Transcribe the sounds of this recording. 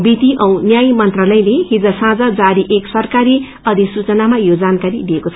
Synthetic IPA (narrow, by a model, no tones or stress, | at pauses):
bit̪iʔʌ̃w̃njajmʌnt̪ralʌjlehid͡zʌsãd͡zʌd͡zaɾiʔeksʌrkaɾi | ʌd̪ʱisut͡sʌnamajod͡zankaɾid̪iekot͡sʰ